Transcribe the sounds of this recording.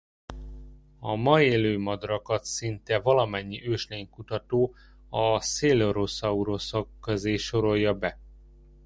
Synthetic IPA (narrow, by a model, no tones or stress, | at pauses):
ɒmɒeːløːmɒd̪rɒkɒt̪sint̪ɛvɒlɒmɛɲːiʔøːʃleːŋkut̪ɒt̪oː | ɒseːloɾosɒuɾosokːøzeːʃo̞ɾo̞jːɒbɛ